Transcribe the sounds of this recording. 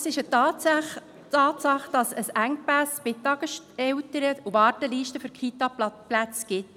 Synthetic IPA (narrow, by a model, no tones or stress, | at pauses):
sɪʃətɑː | tɑːt̪sɑχd̥ɑsəsæŋk̚pæsbɪt̪ːɑɡ̥əʃ | ɛwtəɾəuvɑːɾtəliːʃtəfʏɾkʰit̪ɑpplæt͡sɡ̥ɪt